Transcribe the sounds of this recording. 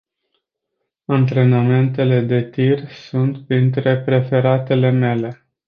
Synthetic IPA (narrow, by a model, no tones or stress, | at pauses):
ant̪ɾe̞name̞nt̪̬e̞le̞d̪e̞t̪irsunt̪pɾint̪ɾe̞pɾe̞fe̞ɾat̪e̞le̞me̞le̞